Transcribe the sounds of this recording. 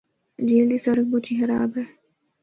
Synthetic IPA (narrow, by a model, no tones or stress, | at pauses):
d͡ʒiːld̪isɐɽək̚boːt͡ʃʰiːxɐɾaːbɦɛː